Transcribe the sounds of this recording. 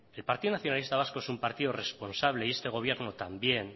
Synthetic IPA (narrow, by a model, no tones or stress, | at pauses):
elpaɾt̪iðonaθjo̞nalist̪aβ̞askoe̞sumpaɾt̪iðore̞spo̞nsaβ̞le̞ie̞st̪e̞ɣ̞o̞β̞je̞ɾno̞t̪ambje̞n